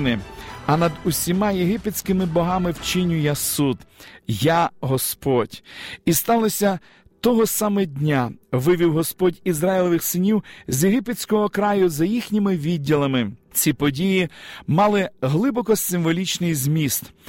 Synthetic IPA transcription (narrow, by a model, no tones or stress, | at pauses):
nɪɐnɐd̪ʊsʲimɑjeɦɪpet͡sʲkɪmɪbɔɦɑmɪwt͡ʃɪnʲʊjasud̪jaɦɔspɔdʲist̪ɑlˠɔsʲɐ | t̪ɔɦɔsɑmɛdʲnʲaʋɪʋʲiwɦɔspɔdʲizɾɑjɪlˠɔʋɪxsɪnʲiwzʲjeɦɪpet͡sʲkɔɦɔkɾɑjʊzɐjixnʲimɪʋʲidʲːilˠɐmɪt͡sʲipɔdʲijimɑlˠɪɦlˠɪbɔkɔsɪmʋɔlʲit͡ʃnɪjzʲmʲist̪